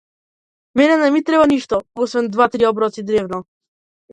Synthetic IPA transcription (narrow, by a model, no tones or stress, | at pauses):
mɛnɛnɛmit̪ɾɛbaniʃt̪ɔɔsvɛnd̪vat̪ɾiɔbɾɔt̪sid̪ɾɛvnɔ